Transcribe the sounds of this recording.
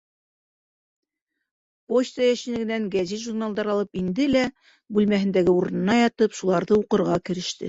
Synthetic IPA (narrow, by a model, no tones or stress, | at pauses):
pot͡ɕt̪əjæʃinɘ̆ɡɘ̆næŋɡæziʒurnalˠd̪ɑɾɑlˠɤpind̪ɘlæ | bʉlmæɦɘ̆nd̪æɡɘuɾɤ̆nɤ̆nɑjɑt̪ɤpʃulˠɑɾðɤuqɤ̆ɾʁɑkɘ̆ɾɘ̆ʃt̪ɘ̰